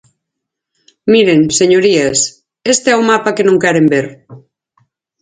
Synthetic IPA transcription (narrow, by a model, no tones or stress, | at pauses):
miɾeŋseɲoɾiɐs | est̪eɛwmapɐkenõŋkɛɾembeɾ